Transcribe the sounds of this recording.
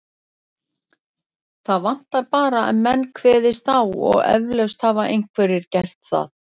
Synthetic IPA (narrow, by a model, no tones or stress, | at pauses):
θaðvan̥t̪aɾpaːɾaɛ̰nmɛnːkʰvɛːðɪst̪awɔ̰ɣɛ̰vlœwst̪havaʔejŋ̥kʰvɛɾɪɾcɛr̥t̪θa̰θ